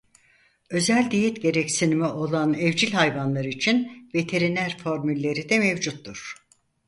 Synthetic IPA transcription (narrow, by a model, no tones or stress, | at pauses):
ø̞zælʲd̪ijɛt̪ɟe̞ɾɛcsinimɛʔo̞lˠanɛvd͡ʒilʲhajvanlˠaɾɯit͡ʃʰinve̞t̪ʰe̞ɾinæɾfo̞ɾmylʲːe̞ɾid̪ɛmɛvd͡ʒut̪ːuɾ̥